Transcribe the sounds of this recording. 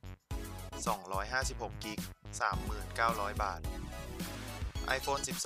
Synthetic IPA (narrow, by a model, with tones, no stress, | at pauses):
sɔ˩˦ŋɾɔː˦˥jɦaː˥˩si˨˩p̚ho˨˩kːi˦˥k̚saː˩˦mːɯː˨˩nkaː˥˩wɾɔː˦˥jbaː˨˩t̪̚ | ʔa̰˧jfoː˧nsi˨˩p̚s